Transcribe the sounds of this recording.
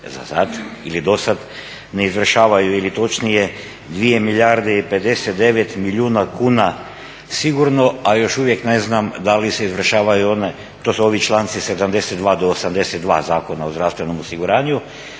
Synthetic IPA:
za̰sad̪ilid̪o̞sad̪ | ne̞izʋr̩ʃaːʋajuilit̪o̞t͡ʃnije | d̪ʋije̞milʎʲaɾd̪eipe̞d̪e̞set̪d̪e̞ʋet̪miʎuːnakuːna | siɡuɾno̞ajo̞ʃuʋje̞kne̞znamd̪alise̞izʋr̩ʃaːʋajuo̞ne | t̪osuo̞ʋit͡ʃlˠant̪sise̞d̪amd̪e̞set̪d̪ʋaːd̪oːsamd̪e̞set̪̚d̪ʋa̰ːzaːko̞naozd̪ɾaːfst̪ʋe̞nomosiɡuɾaːɲu

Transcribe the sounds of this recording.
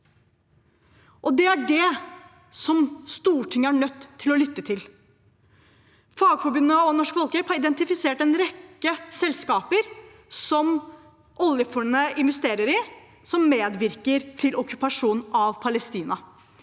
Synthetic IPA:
ʔɔd̪ɛæɖɛ | sɔmst̪uːʈʰɪŋːəæɳœt̪ʰːɪlɔlʏt̪ːət̪ʰɪl | fɑːɡfɔɾbʉnːəɔnɔʂkfɔlkəphɑɾɪd̪ɛnt̪ɪfɪseːʈɛnɾɛkːəsɛlskɑːpəɾ | sɔm | ʔɔljəfɔɳnəɪnʋɛst̪eːɾəɾɪ | sɔmːeːd̪ʋɪɾkəɾt̪ʰɪlʔɔkːʉpɑʂuːnɑʋpʰɑləst̪iːnɑ

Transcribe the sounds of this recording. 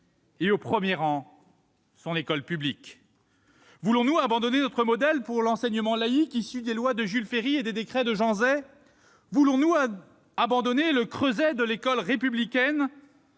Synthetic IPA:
eopχəmjeʁɑ̃ | sɔ̃nekɔlpyblik | vulɔ̃nuabɑ̃d̪ɔnenɔt̪χəmɔd̪ɛlpuʁlɑ̃sɛɲəmɑ̃laikisyd̪elwad̪əʒylfeʁied̪ed̪ekχɛd̪əʒɑ̃zɛ | vulɔ̃nu | abɑ̃d̪ɔneləkχøzɛd̪əlekɔlʁepyblikʲɛn

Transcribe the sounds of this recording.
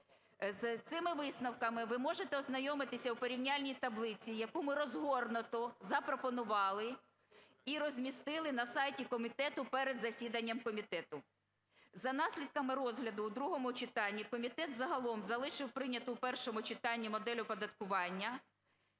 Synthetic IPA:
zt̪sɪmɪʋɪsnɐwkɐmɪʋɪmɔʒet̪ɛɔznɐjɔmɪt̪ɪsʲɐwpɔɾʲiwnʲɑlʲnʲijt̪ɐblˠɪt͡sʲijɐkumɪɾɔzɦɔrnʊt̪ɔzɐpɾɔpɔnʊʋɑlˠɪ | iɾɔzʲmʲist̪ɪlˠɪnɐsɑjtʲikɔmʲit̪ɛt̪ʊpɛɾed̪zɐsʲid̪ɐnʲːɐmkɔmʲit̪ɛt̪ʊ | zɐnɑsʲlʲid̪̚kɐmɪɾɔzɦlʲɐd̪ʊːd̪ɾuɦɔmʊt͡ʃɪt̪ɑnʲːikɔmʲit̪ɛt̪zɐɦɐlˠɔmzɐlˠɪʃɪwpɾɪnʲɐt̪ʊwpɛrʃɔmʊt͡ʃɪt̪ɑnʲːimɔd̪ɛlʲʊpɔd̪ɐt̪kʊʋɑnʲːɐ

